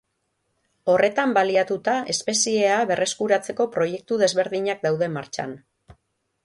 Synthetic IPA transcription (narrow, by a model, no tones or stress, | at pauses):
o̞re̞t̪ambaliat̪ut̪ae̞spe̞sie̞aβe̞rʔe̞skuɾat͡se̞ko̞pɾo̞je̞k̚t̪uðe̞zβe̞ɾðiɲak̚d̪awðe̞maɾt͡ʃa̰n